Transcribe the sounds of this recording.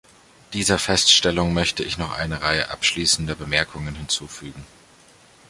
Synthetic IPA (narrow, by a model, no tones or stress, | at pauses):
d̥iːzɐfɛstʃtɛlʊŋmœçtəɪçnɔχʔa̰ɪnəʁaɪə̰ʔa̰pʃliːsn̩dɐbəmɛɐkʰʊŋənhɪnt͡suːfyːɡŋ̩